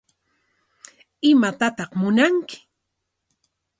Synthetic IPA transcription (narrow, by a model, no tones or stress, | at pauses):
ɪmat̪at̪ɑχmʊnaŋkɪ̥